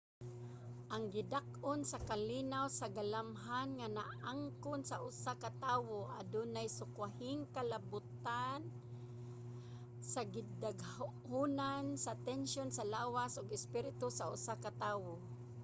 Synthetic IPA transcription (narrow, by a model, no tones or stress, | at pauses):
ʔaŋɡɪd̪ak̚ʔonsakalinawsaɡalamɦanŋanaʔaŋkʊnsaʔʊsakat̪aːwoʔad̪ʊnajsʊkwahɪŋkalabʊt̪an | saɡɪdaɡhunansat̪ɛnʃonsalaːwasʊɡɪspɪɾɪt̪ʊsaʊ̰sakat̪aːwo